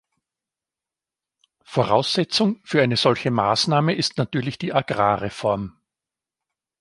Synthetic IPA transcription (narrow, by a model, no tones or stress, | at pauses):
foʁa̰ʊsz̥ɛt͡sʊŋfyːɐʔaɪnəz̥ɔlçəma̰ːsnaːməɪstnatyːɐlɪçd̥iːʔaɡʁa̰ːʁefɔɐm